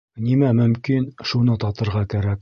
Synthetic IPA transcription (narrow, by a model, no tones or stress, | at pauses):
nimæmɵ̆mkinʃunɤt̪ɑt̪ɤ̆ɾʁɑkæɾæk